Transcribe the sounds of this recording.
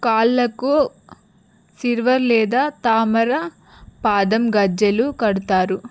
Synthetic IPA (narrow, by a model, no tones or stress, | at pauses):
kaːlːɐku | siɾʋɐɾlɛːd̪aːt̪aːmɐɾɐ | paːd̪ɐmɡɐd͡ʒɐlukɐɽut̪aːɾu